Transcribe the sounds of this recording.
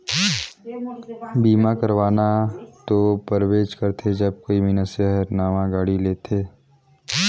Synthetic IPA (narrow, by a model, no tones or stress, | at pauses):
biːmakəɾʋaːnat̪opəɾweːd͡ʒkəɾt̪ʰed͡ʒɐb̚koːiminəsəɦəɾnaːʋãɡaːɽileːt̪ʰeː